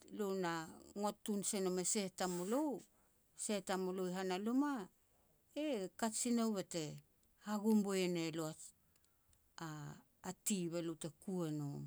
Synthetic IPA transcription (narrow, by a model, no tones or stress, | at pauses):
lonaŋotunsenomesetamolow | setamolojɦanaluma | ekasinowβete̞ | haɡumboeneloa | aː | tiβelowte̞kuenom